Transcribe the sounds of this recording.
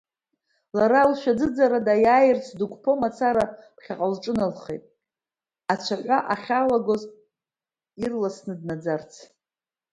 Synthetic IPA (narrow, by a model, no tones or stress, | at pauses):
laɾalʃᶣad͡zɨd͡zaɾadajaːjɪrt͡sʰdukʷʰʼpʰo̞mat͡sʰaɾapʰχʲaqʼalʈ͡ʂʼɨnalχejtʼ | at͡ʃʷʰaħʷaʔaχʲalaɡo̞z | irlasnɨdnad͡zart͡sʰ